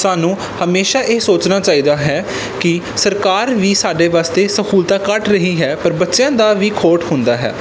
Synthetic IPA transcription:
saːnũː | həmeːʃaːʔeːsoːt͡ʃnaːt͡ʃaːiːd̪aːɦɛː | kɪ | səɾkaːɾʋiːsaːɖeːʋaːst̪eːsəkʰuːlt̪ãːkəʈɾəɦiːɦɛːpəɾbətːʃjãːd̪aːʋiːkʰoːʈhʊnd̪aːɦɛ̰ː

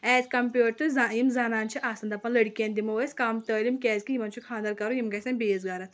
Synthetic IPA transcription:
ɛːzkɐmpʲjuːʈ̚t̪ɨzajimzanaːnt͡ʃʰiʔaːsɐnd̪ɐpɐnlɐɽkʲiɐ̃nʲd̪imɐʋəsʲkaːmt̪əːlimkʲɛːzkijimɐnt͡ʃʰukʰaːnd̪ɐɾkɐɾujimkɐsʲɐnʲbeːzɡaːɾɐt̪ʰ

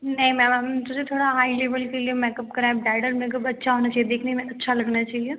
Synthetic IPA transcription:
nɐɦĩmɛ̃mamtoset̪ʰoːɽaɦaːileːʋəlkeliemɛ̃kɐp̚kɐɾaẽɖaːɪɖəɾmẽk̬ɐbɐtːʃʰaɦoːnat͡ʃaːɦijed̪eːkʰnaɦĩmɛ̃ʔɐtːʃʰalɐɡnat͡ʃaːɦie

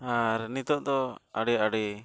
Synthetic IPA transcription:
aɾnit̪ɔʔd̪ɔa̰ɽɛaɽɛ

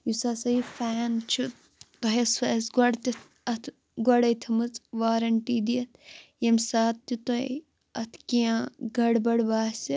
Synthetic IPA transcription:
jusaːsɐifaːnt͡ʃʰu | t̪ɐɦeswɐsɡɐɽt̪it̪ʰ | ɐt̪ʰ | ɡɐɽɐjt̪ʰɐmɨt͡sʋaːɾɐɳʈiːd̪iɐt̪̚jemsaːt̪ːit̪oḛ | ɐt̪ʰkijãːɡɐɽbɐɽbaːsi

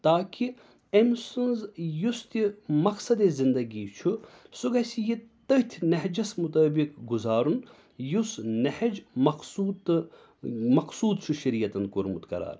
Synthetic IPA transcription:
t̪aːki | emsɨnzjust̪imɐksɐd̪ezind̪ɐɡit͡ʃʰusuɡɐsʲijit̪ɐt̪ʲʰnɐɦd͡ʒɐsmut̪ɐːbikɡuzaːɾun | jusnɐhɐd͡ʒmɐksuːd̪ | mɐksuːd̪̚t͡ʃʰuʃɐɾiːjɐt̪ɐn̚kuɾmut̪kɐ̰ɾa̰ːɾ

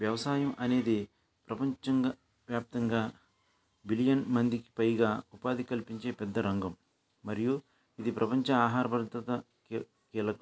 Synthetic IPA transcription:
ʋjɐʋɐsaːjɐmɐne̞ːd̪i | pɾɐpɐɲt͡ʃɐŋɡa | ʋjaːp̚t̪ɐŋɡaː | bilijɐnmɐnd̪iki̥pɐjɡaːupaːd̪ikɐlpiɲt͡ʃe̞ːpɛd̪ːɐɾɐŋɡɐmː | ɐɾiju | id̪ipɾɐpɐɲt͡ʃɐaːɦaːɾɐbɐɾd̪ɐt̪ɐ | kiːlɐkɐ

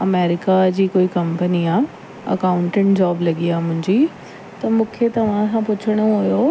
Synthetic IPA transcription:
ɐmeːɾɪkad͡ʑiːkoːikɐ̃mpəniaː | ɐ̰kaːʊ̃ɳʈẽʈd͡ʑaːblɐɡiaːmʊ̃ɦɪ̃ɲd͡ʑiː | t̪ɐmũːkʰet̪ɐʋ̤ãsãpʊt͡ɕʰəɽ̃oɦʊjoː

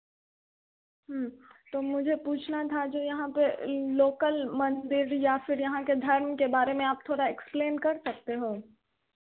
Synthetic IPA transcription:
ɦmt̪oːmʊd͡ʒʱepuːt͡ʃʰnat̪ʰad͡ʒoːjɐɦãpeloːkəlmɐ̃nd̪ɪɾjafɪɾjɐɦãked̪ʱɐɾmkebaːɾemẽaːp̚t̪ʰoːɽaɛkspleːnkɐɾsɐk̚t̪eɦoː

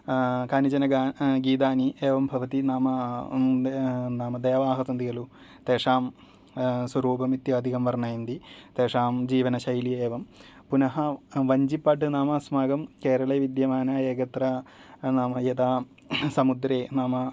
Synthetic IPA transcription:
kaːnid͡ʑɐnɐɡaːɡiːt̪̬aːnieːʋɐmbʱɐʋɐt̪inaːmɐ | naːmɐd̪eːʋaːɦɐsɐnd̪iɡɐlu | t̪eːʂaːm | swɐɾuːbʱɐmit̪jaːd̪ʱikɐmʋɐrɳajind̪it̪eːʂaːmd͡ʑiːʋɐnɐɕɐjlieːʋɐm | punɐɦɐʋɐɲd͡ʑipːɐʈɨnaːmɐsmaːɡɐmkeːɾɐɭeːʋid̪jɐmaːnɐeːɡɐt̪ɾanaːmɐjed̪aː | sɐmud̪ɾeːnaːmɐ

